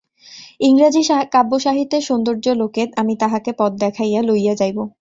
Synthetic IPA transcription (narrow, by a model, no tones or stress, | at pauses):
iŋɾad͡ʑikabːoʃaɦit̪ːeʃond̪oɾd͡ʑoloket̪amit̪aɦakepɔt̪̚d̪ɛkʰajalojjad͡ʑajbo